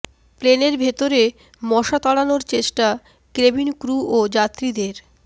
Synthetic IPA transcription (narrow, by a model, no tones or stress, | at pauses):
pleneɾbʱet̪oɾe | mɔʃat̪ɔɽanoɾt͡ɕeʃʈa | kɾebinkɾuʔod͡ʑat̪ːɾid̪eɾ